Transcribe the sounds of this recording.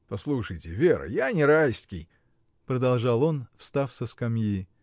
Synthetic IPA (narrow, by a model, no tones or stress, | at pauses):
pɐslˠuʂəjtʲɪvʲeɾə̰janʲɪɾajsʲtʲkʲɪj | pɾəd̪ɐlˠʐɑlˠo̞nfst̪afsəskɐmji